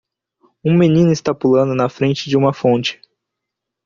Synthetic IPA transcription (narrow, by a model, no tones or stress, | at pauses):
ũmenĩnʊist̪apulɐ̃nd̪ʊnɐfɾẽnt͡ʃɪd͡ʒɪũmɐfõnt͡ʃɪ̥